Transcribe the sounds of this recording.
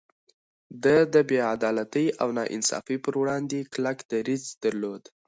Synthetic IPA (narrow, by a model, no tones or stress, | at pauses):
d̪əd̪əbead̪ɑlat̪əjawnɑʔɪ̰nsɑ̰fipəɾwɽɑnd̪eklakd̪̥aɾizd̪̥aɾlod̪